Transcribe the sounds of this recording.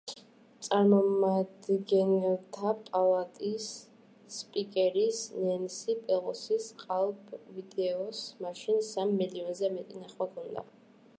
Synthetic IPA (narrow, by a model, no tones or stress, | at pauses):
t̪sʼaɾmɔmad̪ɡɛnɛlˠt̪ʰapʼalˠat̪ʼis | spʼikʼɛɾisnɛnsipʼɛlɔsisqʼalˠɡvid̪ɛɔsmaʃinsamːiliɔnzɛmɛt̪ʼinaχwakʰɔnd̪a̰